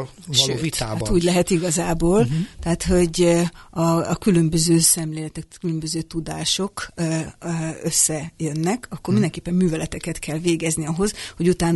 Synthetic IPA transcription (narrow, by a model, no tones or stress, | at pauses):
lovit̪aːat̪uːɟlɛɦɛt̪iɡɒzaːboːlt̪ɛɦaːt̪ho̞ɟɒkylø̞mbøzøːsɛmleːlɛt̪ɛkkylømbøzøːt̪ud̪aːʃo̞kː | øsːɛjønːɛkʰɒkːormind̪ɛŋkeːpːɛmːyːvɛlɛt̪ɛkɛt̪kʰɛlveːɡɛzniɒɦo̞zho̞ɟut̪aːn